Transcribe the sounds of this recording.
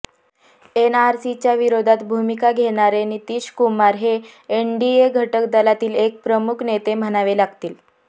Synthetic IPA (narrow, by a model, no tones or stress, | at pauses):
enaɾsit͡ɕjaʋiɾod̪ʱat̪bʱumikaɡʱeɽ̃aɾeniːt̪iːɕkumaɾɦeː | ɳɖieɡʱəʈəkd̪əlat̪iːlek̚pɾəmukʰnet̪em̤əɽ̃aʋelaɡt̪iːl